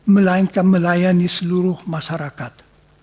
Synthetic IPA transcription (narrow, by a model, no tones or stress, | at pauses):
məlaŋkaməlajanisəluɾuhmaʃaɾakat̪